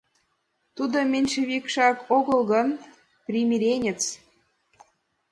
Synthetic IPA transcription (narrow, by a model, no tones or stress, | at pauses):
t̪ud̪omʲenʲʃĕβikʃɑkoɣɤ̆lɣɤ̆n | prʲimʲiɾʲenʲĕt͡s